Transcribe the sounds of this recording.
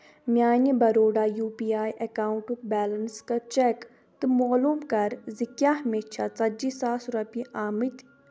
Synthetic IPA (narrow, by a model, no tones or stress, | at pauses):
mjaːnəbɐɾoːɖaːjuːpiːaːjʔekaːwɳʈukbɛːlənskɐt͡ʃɛk | t̪ɨmoːluːmkɐɾzikjaɦɐmeːt͡ʃʰat͡sɐd͡ʒisaːsuɾɐpiʔaːmit̪